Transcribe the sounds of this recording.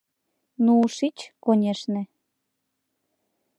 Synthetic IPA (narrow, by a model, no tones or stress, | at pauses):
nuuʃit͡ɕkonʲeʃnĕ